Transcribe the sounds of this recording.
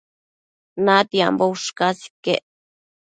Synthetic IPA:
nat̪ja̰mbowʂkasi̥keʔ

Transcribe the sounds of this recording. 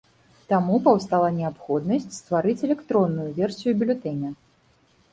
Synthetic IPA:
t̪amupɐwst̪alˠɐnʲɛapxɔd̪nɐsʲt͡sʲst̪vaɾɨt͡sʲɛlʲɛkt̪ɾɔnːujuvʲɛrsʲijubʲilʲut̪ɛnʲɐ

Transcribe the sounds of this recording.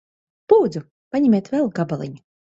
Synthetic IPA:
b̥uːd̪zu | paɲʲɛmʲeːt̪vɛlˠɡabalˠḭɲu

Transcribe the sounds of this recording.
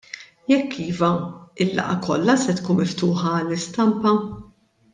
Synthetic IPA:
jɛkʰːiːvɐɪlːɐ̰ʔɐkɔ̰lːɐsɛt̪kuːnmɪft̪uːħɐɐlːɪst̪ɐmpɐ

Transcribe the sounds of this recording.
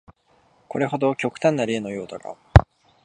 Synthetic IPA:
ko̞ɾe̞ɦo̞d̪o̞kʲo̞kɯ̟̥t̪ãnːaɾe̞ːno̞jo̞ːt̪aɡa̰

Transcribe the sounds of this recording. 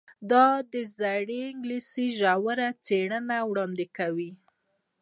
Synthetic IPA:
d̪ɑd̪əzaɽeɪŋɡlisiʒawəɾat͡seɽənawɽɑnd̪ɪkawi

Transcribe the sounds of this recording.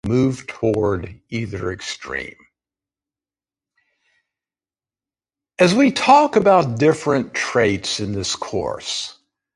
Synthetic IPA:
mʉv̥tʰɔɹɾiðə˞ɨkstɹ̥ḭ̃m | ɨzwitʰɔkɨbaʊt̚d̥ɪfɹɨ̃ntʰɹ̥eɪtsɨ̃nðɪskʰɔ̰ɹs

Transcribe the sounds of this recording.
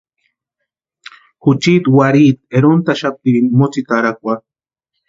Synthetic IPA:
xut͡ʃit̪waɾit̪̚eɾont̪aʃap̚imot͡sit̪aɾak̚ʷa

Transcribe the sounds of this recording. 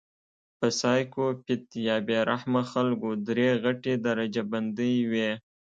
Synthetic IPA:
pəsɑjkopɪt̪jɑbeɾahmaxalɡod̪ɾeɣaʈed̪aɾad͡ʒaband̪əjwe

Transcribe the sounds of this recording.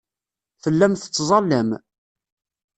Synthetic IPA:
θəlːæmθə̥t͡sːzˤɑlːəm

